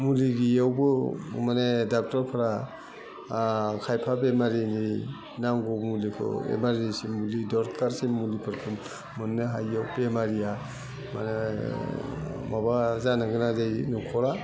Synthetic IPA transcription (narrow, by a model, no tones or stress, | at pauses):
muliɡijawbɯmanedak̚tɔɾpʰaɾa | kʰajpʰabemaɾini | naŋɡɔmulikʰɯ̰ḛmaɾisimulidɔɾkaɾsimmulipʰɯɾkʰɯmː | ɯnːeɦajːawbemaɾija | ma̰ne | mabazanaɡɯnazajnɔkʰɔɾa